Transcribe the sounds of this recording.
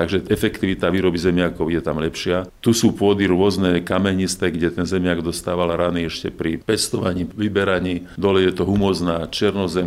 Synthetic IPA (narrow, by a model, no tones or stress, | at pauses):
t̪aɡʒɛɛfɛkt̪iʋit̪aʋiːɾɔbizɛmɪakɔʊjɛt̪amlɛpʃɪat̪usuːpʊɔd̪iɾʊɔznɛːkamɛɲist̪ɛɡɟɛt̪ɛnzɛmɪaɡd̪ɔst̪aːʋalɾaniɛʃcɛpɾipɛst̪ɔʋaɲiːʋibɛɾaɲiː | d̪ɔlɛjɛt̪ɔɦumɔznaːt͡ʃɪɛɾnɔzɛm